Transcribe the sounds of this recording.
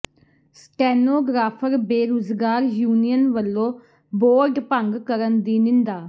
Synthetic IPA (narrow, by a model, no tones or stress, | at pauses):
sʈɛːnoːɡɾaːpʰəɾbeːɾoːzɡaːɾjuːnijənʋəlːõː | boːɾɖpəŋɡkəɾənd̪iːnɪ̃nd̪aː